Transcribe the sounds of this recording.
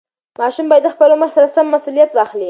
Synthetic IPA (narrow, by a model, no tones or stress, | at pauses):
mɑʃumbɑjad̪ːəxpəlʊməɾsaɾasamːasulijat̪wɑxli